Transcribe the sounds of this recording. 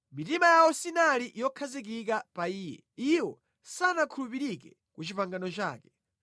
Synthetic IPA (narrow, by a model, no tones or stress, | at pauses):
mitimajawɔsinaliʔijɔkʰazik̬ik̬apaiːjɛ̰iwɔ | sanakʰulupiɾikɛ | kut͡ʃipaŋɡanɔt͡ʃa̰ːkɛ